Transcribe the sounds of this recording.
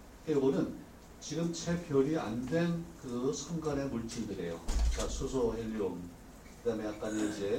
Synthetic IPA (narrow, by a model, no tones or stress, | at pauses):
eɡonɯn | t͡ɕiɡɯmt͡ɕʰepkjʌɾiandwe̞nkɯsʰʌŋɡane̞muɭt͡ɕ͈ʰindɯɾe̞jokasʰosʰoɦeʎːom | kɯdame̞jak͈aniːd͡ʑe̞